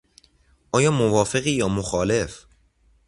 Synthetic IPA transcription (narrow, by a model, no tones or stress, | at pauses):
ʔɒːjɒːmovɒːfeɣiːjɒːmoxɒːle̞f